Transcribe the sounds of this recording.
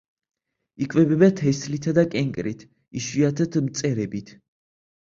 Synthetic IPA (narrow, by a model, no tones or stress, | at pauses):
ikʼvɛbɛbat̪ʰɛslit̪ʰad̪akʼɛŋkʼɾḭt̪ʰ | iʃwiat̪ʰɛt̪ʰmt̪sʼɛɾɛbit̪ʰ